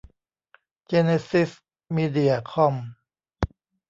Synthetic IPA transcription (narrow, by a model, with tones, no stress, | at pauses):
t͡ɕe˧ne˧si˦˥s | miː˧di˧˩ɐkʰɔ˧m